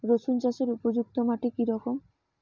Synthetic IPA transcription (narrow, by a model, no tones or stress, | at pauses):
ɾosunt͡ɕaʃeɾupod͡ʑuk̚t̪omaʈekiɾɔkom